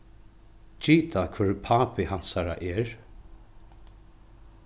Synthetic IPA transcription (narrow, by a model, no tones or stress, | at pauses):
t͡ʃiːt̪ʰakʰvɪɹpʰaːpɪhan̥saɾa̰ʔɛɹ